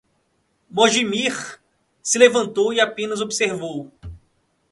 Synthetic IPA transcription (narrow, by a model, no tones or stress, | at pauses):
moʒimiχ | sɪlevɐ̃nt̪owiapẽnɐzobiseɾvow